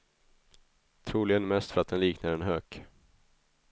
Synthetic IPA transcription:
t̪ʰɾuːlɪɡənmɛst̪fœɾat̪̚d̪ɛnliːknaɾɛnɦøːk

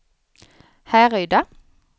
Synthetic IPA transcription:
hæːʁœʏd̪ɑ

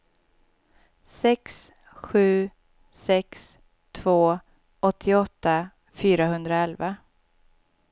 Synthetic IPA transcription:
sɛks | ɧʉ̟ː | sɛks | t̪ʰv̥oː | ɔt̪ʰːɪɔt̪ːa | fyːɾaɦɵnd̪ɾaɛlva

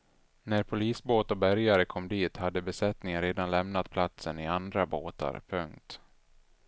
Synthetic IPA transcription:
næɾpʰʊliːsboːt̪ɔbæɾjaɾəkʰɔmːd̪iːt̪had̪ːəbɛsɛt̪nɪŋənɾeːd̪anlɛmnat̪pʰlat̪sənɪand̪ɾaboːt̪a̰ɾpʰɵŋkt̪

